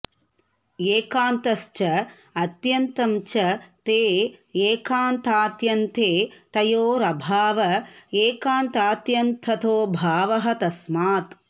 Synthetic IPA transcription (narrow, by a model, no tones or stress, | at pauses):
eːkaːnt̪ɐʃt͡ʃɐ | ɐt̪jɐnt̪ɐmt͡ʃɐt̪eːeːkaːnt̪aːt̪jɐnt̪eːt̪ɐjoːɾɐbʱaːʋɐeːkaːnt̪aːt̪jɐnt̪ʰɐt̪oːbʱaːʋɐɦɐt̪ɐsmaːt̪